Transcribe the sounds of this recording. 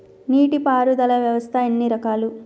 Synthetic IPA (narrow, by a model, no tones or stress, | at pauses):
niːʈipaːɾud̪ɐlɐʋjɐʋɐst̪ʰɐenːiɾɐkaːlu